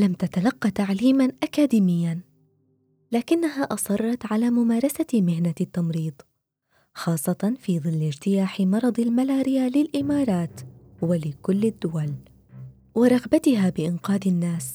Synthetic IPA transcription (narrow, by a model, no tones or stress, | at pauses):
lamt̪at̪alɑqːɑt̪aʕliːmanʔakaːd̪iːmɪjːan | laːkɪnːahaːʔɑsˤɑrˤːɑt̪ʕalaːmʊmaːɾˤɑsamɪhnat̪ːamɾiːd̪ˤ | xɑːsˤːɑt̪ɑnfiːðˤɨlːɪd͡ʒt̪ɪjaːħɪmɑɾˤɑd̪ˤɪlmalaːɾɪjalɪlʔɪmɑːɾˤɑːt̪walɪkʊlːɪd̪ːʊwal | wɪɾˤɑɣbat̪ɪɦaːbɪʔɪnqɑːd̪ɪnːaːs